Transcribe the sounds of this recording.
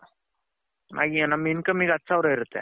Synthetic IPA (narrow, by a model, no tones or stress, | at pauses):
nʔa̰ɡianaminkəmiːɡat̪ːsaʋɾɦeɾt̪ɛ̰